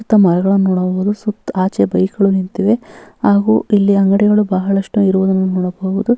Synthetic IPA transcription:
ut̪ːɐmɐɾɐɡɐɭɐnuːɽɐbʋud̪usukt̪aːt͡ʃebɐjkɐɭunint̪iʋe̞haːɡuːilːiɐŋɡɐɽɛɡɐɭubɐɦɐɭɐʂʈuiɾuʋud̪ɐnːunoːɽɐbɐuʋud̪u

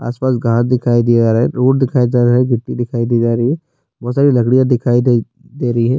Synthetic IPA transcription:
a̰ːspaːs̬ɡãːt̪d̪ɪkʰaːid̪iad͡ʒaːɾaːɦɛɾoːʈ̚d̪ɪkʰaːid͡ʒaːɾaɦɛɡʱɪʈːid̪ɪkʰaːid̪iːd͡ʒaːɾəɦiɦɛ | bɔːt̪saːɾilɐkɽijad̪ɪkʰaːid̪ | d̪eːɾɐɦiɦɛː

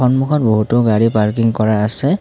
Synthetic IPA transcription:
ɔnmukʰɔt̚boɦutɔɡaɹipaɹkiŋkɔɹaːsɛ

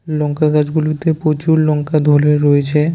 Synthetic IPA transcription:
lɔŋkaɡad͡ʑɡulut̪epɾot͡ɕuɾlɔŋkad̪ʱoleɾoet͡ɕʰe

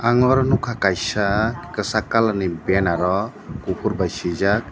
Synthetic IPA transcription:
aŋɔɾɔnukʰakajsakkəsakalanibenaɾɔ | kupʰuɾbajsid͡ʒak̚

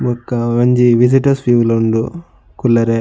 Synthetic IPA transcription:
mɔkːɐʋɐɲd͡ʒiʋisiʈɐspjuʋulɐuɳɖu | kulːɐɾe

